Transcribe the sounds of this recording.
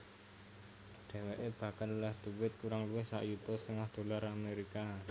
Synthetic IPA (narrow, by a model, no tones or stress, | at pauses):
ɖ̥ɛ̤weʔeb̥ä̤kanulahd̪̥ṳwɪt̪̚kuɾaŋluwɪhsa̰ʔjut̪ɔsɪŋwahd̪̥o̤laɾameɾika